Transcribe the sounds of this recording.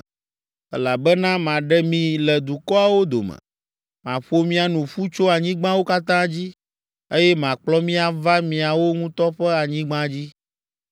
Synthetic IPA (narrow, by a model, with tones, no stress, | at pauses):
ɛ˦la˨bɛ˦nã˦mã˨ɖɛ˦mĩ˨lɛ˨d̪u˨kɔ˦a˨wo˦d̪o̰˨mɛ̰̃˨ | mã̰˨ɸo˦mĩ˦a˨nũ˨ɸu˦t͡ʃo˦a˨ɲĩ˦ɡ͡bã˦wo˦ka˦t̪ã˦d͡ʑi˦ | e˦jɛ˦m˨ã˨k͡plɔ˦mĩ˦a˨va˦mĩ˨a˨wo˦ŋũ˦t̪ɔ˦ɸɛ˦a˨ɲĩ˦ɡ͡bã˦d͡ʑi˦